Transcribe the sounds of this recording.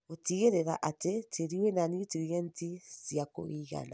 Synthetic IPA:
otiɣeɾeɾa̰ʔatetʰeɾiwɛnanitiɾɛntisjako̰iɣa̰na

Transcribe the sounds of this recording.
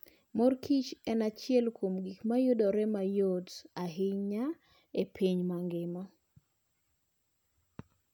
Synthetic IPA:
mɔrkʰit͡ʃɛnat͡ʃɪɛlkomɡikmajodɔɾɛmajodaɦɪɲa | epʰiɲmaŋɡɪmɔ

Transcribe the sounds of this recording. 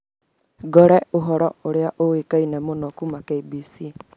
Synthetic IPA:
ɡɔɾɛoɦɔɾɔoɾjaʔowekainɛmonɔkumakeibisi

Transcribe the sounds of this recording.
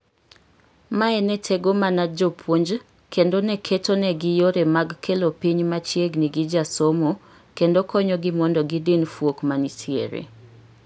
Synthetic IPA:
maɛnɛtʰeɡomanad͡ʒopʰwoɲd͡ʒ | kendonɛkʰetonɛɡɪjoɾɛmaɡkʰelopiɲmat͡ʃjeɡniɡɪd͡ʒasomo | kendokɔɲɔɡɪmɔndɔɡɪdɪnfwokmanitʰiḛɾḛ

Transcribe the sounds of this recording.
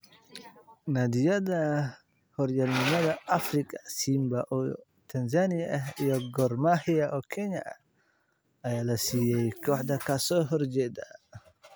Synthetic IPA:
nad̪ijada | hɔɾjamimad̪aafɾikʼasimbaʔɔ | t̪ʰanzanijaɛjɔɡɔɾmahijaʔɔkʰɛɲa | ajalasijɛjkɔħd̪ɐkasɔɦɔɾd͡ʒɛd̪a

